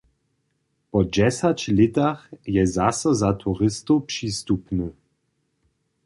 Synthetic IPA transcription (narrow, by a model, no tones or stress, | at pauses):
pɔd͡ʑɛsat͡ɕlɪt̪axjɛzasɔzat̪ʰuʁɪst̪opʂiːst̪upnə